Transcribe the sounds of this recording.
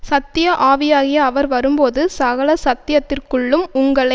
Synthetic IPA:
sɐt̪ːɪjɐʔaːʋɪjaːɣɪjɐːʋɐɾʋɐɾɯmpoːðɯsɐɣɐɭɐsɐt̪ːɪjɐt̪ːɪrkɯɭːɯmʊŋɡɐɭɐ

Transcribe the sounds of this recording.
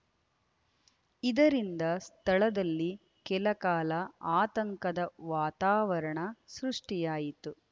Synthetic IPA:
id̪ɐɾind̪ɐst̪ʰɐɭɐd̪ɐlːi | kɛlɐkaːlɐaːt̪ɐŋkɐd̪ɐʋaːt̪aːʋɐɾɐɳɐsɾuʂʈijaːjit̪u

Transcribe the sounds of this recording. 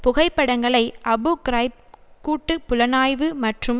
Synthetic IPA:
pʊɣɐɪpːɐɽɐŋɡɐɭɐɪʔɐbukɾɐɪp̚kuːʈːɯpʊlɐnaːjʋɯmɐʈrɯm

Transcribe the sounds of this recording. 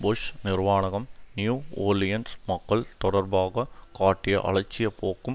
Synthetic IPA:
bʊʂnɪɾʋaːɳɐɣɐmnjuːoːlɪjɐnsmɐkːɐɭt̪ɔɽɐɾbaːɣɐkaːʈːɪjɐʔɐ̰ɭɐt͡ʃːɪjɐpʰoːkːɯm

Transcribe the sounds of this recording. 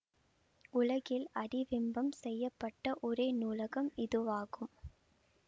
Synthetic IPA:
ʊlɐɣɪlɐɽɪʋɪmbɐmsɛjːɐpːɐʈːɐʔɔɾeːnʊlɐɣɐmɪðɯʋaːɣɯm

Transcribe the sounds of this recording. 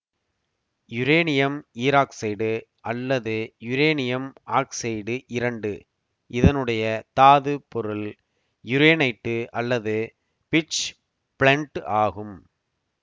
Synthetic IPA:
jʊɾeːnɪjɐmiːɾaːksɐɪɽɯʔɐlːɐðɯjʊɾeːnɪjɐmʔaːksɐɪɽɯʔɪɾɐɳɖɯ̰ | ʔɪðɐnɯɽɐjɐt̪aːðɯpɔɾɯl | jʊɾeːnɐɪʈːɯʔɐlːɐðɯ | pɪt͡ʃ | pɭɐɳʈaːɣɯm

